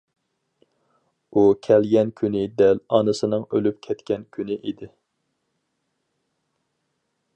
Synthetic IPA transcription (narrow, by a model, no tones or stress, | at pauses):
ukʲʰɛlɡʲɛnkʲʰynɪd̪ɛlɑnɨsɨnɨŋølyp̚kʲʰɛt̪kʲɛnkʲʰynɪʔid̪ɪ